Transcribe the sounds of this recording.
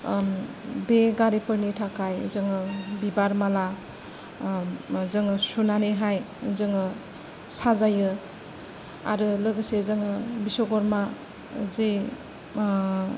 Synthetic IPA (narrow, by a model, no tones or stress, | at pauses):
beɡaɾipʰɯɾnitʰakʰajzɯŋɯbibaɾmala | zɯŋɯsunaneɦaj | zɯŋɯ | sazajɯ | a̰ɾɯlɯɡɯsezɯŋɯbisoɡɔɾma | ze